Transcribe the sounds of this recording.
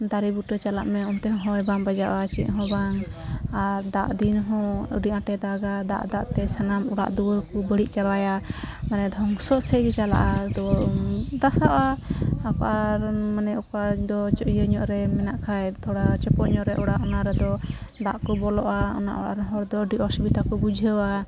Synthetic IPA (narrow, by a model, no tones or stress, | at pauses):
d̪aɾibuʈɾɛt͡ʃala̰ʔmɛunt̪ɛɦɔ̃ɦɔjbambad͡ʒaʔat͡ʃiʔɦɔ̃baŋaɾd̪aʔd̪inɦɔ̃ə̰ɾiʔãʈɛd̪aɡad̪a̰ʔd̪aʔt̪ɛsanamuɽa̰ʔd̪uwəkubəɽiʔt͡ʃaɾajamanɛd̪ʱɔŋsɔʔsɛɡɛt͡ʃala̰ʔad̪ɔ | d̪asaʔaːkɔʔaɾmanɛɔkad̪ɔt͡ʃɔʔijəɲɔʔɾɛmɛnaʔkʰajt̪ʰɔɽat͡ʃɔpɔʔɲɔʔɾɛʔɔɽaʔɔnaɾɛd̪ɔd̪aʔkɔbɔlɔʔaɔ̰na̰ʔɔ̰ɽa̰ɾnɦɔɾd̪ɔəɖiʔɔsibit̪akɔbud͡ʒʱəwa